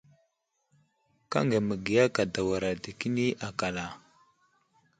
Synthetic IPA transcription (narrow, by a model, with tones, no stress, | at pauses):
ka̰˦ŋɡe˨mə˨ɡi˨ja˦ka˨da˨wa˨ɾa˨di˨ki˦ni˦ʔa˨ka˨la˨